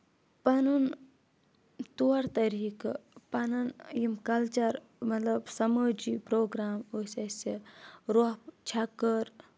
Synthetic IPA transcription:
pɐnun | t̪uɐɾt̪ɐɾiːkpɐnɐnjimkɐlt͡ʃɐɾ | mɐt̪lɐbsɐməːd͡ʒipɾoːɡɾaːmoːsʲeseɾoɦt͡ʃʰɐkːəɾ

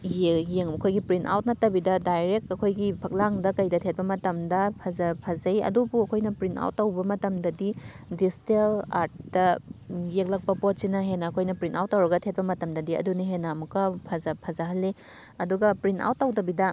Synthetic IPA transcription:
jejeŋmɐkʰojɡipɾinta̰wt̚nɐtːɐbidɐdajɾek̚tɐkʰojɡipʰɐk̚laŋdɐkɐjdɐtʰet̚pɐmɐtɐmdɐpʰɐzɐpʰɐzɐjɐ̰dubuɐkʰojnɐpɾinta̰wtːɐwbɐmɐtɐmdɐdi | distela̰ɾt̚dɐjek̚lɐk̚pɐpot̚sinɐɦenːɐːkʰojnɐpɾintawt̚ːɐwɾɐɡɐtʰet̚pɐmɐtɐmdɐdiɐ̰duniɦenːamukːɐpʰɐzɐpʰɐzɐɦɐlːe | ɐduɡɐpɾinta̰wt̚ːɐwtɐbidɐ

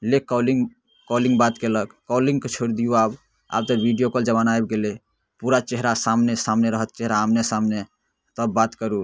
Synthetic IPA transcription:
lekɔliŋ | kɔlĩŋɡbat̪keləkːɔlĩŋɡket͡ʃʰoɾd̪ijuab | a̰b̚t̪əbʱiɖijokəld͡ʒəβanajbɡele | puɾat͡ʃeɦɾasamnesamneɾəɦət̪̚t͡ʃeɦɾaːmnesamne | t̪əbːat̪kəɾu

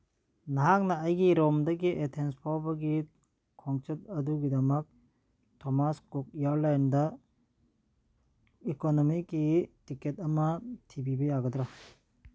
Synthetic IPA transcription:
naɦak̚naːjɡiɾɔmdɐɡiʔetʰenspʰawbɐɡi | kʰɔŋt͡ʃet̚ɐduɡidɐmɐk̚ | tʰɔmaskuk̚ijaɾlajndɐ | ikonɔmikːitiketɐmɐtʰibibɐjaɡɐdɾa

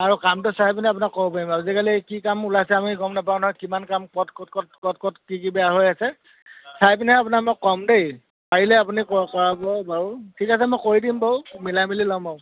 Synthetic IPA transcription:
aɹukamtʊsajp̬nɛapunakːɔbɔpaɹimazikalikikamulasɛamiɡɔmnapaʊnɦɔjkimankamkɔtkɔtkɔtkɔtkɔtkikibɛjaɦojasɛ | sajpnɛapunamokːɔmdej | paɹilɛapunikɔkɔɹabɔbawtʰikasɛmojkoɹidimbɔʊmilamililɔmaʊ

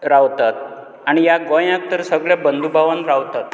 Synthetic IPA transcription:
ɾaʋt̪at̪ | aɽ̃ijaɡɔ̃jãk̚t̪əɾsəɡɭɛbənd̪ʱubʱaʋənɾaʋt̪at̪

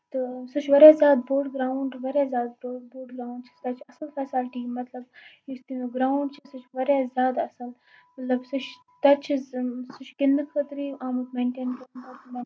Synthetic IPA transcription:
t̪ɨsut͡ʃʰʋɐɾjaːzʲaːd̪boːɖɡɾaːɳɖʋɐɾjaːzjaːd̪̚oboːɖɡɾaːuɳɖt͡ʃʰi̥st̪ɐt͡ʃʰɐsɐlfɛːsalʈiːmɐt̪lɐb̚just̪imuɡɾaːwɳɖt͡ʃʰisut͡ʃʰʋɐɾjaːzjaːd̪ɐsɐl | mɐt̪lɐbsut͡ʃʰ | t̪ɐt͡ʃʰisut͡ʃʰɡɪnmikxɐt̪ɾiːʔaːmɐd̪meːɳʈeːnkɐɳɐt̪mɐ

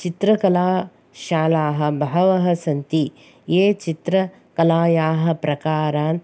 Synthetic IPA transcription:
t͡ʃit̪ɾɐkɐlaː | ʃaːlaːɦɐ̆bɐɦɐʋɐɦɐ̆sɐnt̪i | jeːt͡ʃit̪ɾɐ | kɐlaːjaːɦɐ̆pɾɐkaːɾaːn

